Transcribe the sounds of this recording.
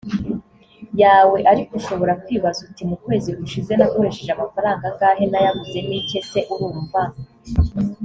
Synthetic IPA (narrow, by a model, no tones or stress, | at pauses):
jaːwe̞ʔaɾikuʃo̞βo̞ɾakwiːβazutimukwe̞ːziɡuʃize̞nako̞ɾeʃe̞ʒamafaɾaːŋɡaŋkaɦenajavuze̞nice̞se̞ʔuɾuːɱva